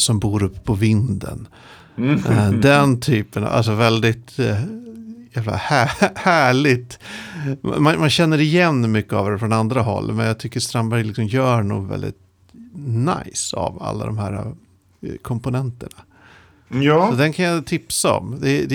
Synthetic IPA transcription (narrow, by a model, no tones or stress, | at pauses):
sɔmbuːɾɵpːə̥pʰɔvɪnd̪ə̰n | d̪ɛnt̪ʰyːpəna̰a̰ls̬ɔvɛld̪ɪt̪ | jæːvla̰hæːhæːɭɪt̪ | ma̰manmanɕɛnːəɾɪjɛnːmʏkːəavd̪ɛfɾɔnand̪ɾaɦɔ̰lːmɛnjaːt̪ʰʏkːəɾst̪ɾambæɾjlɪksɔmjœːɳṵːɡvɛ̰ld̪ɪ̰t̪ | na̰jsa̰va̰lːa̰d̪ɔmhæːɾa | kʰɔmpʊnɛnt̪əɳa | sɔd̪ɛnkʰanjat̪ʰɪpsaɔ̰md̪ɛd̪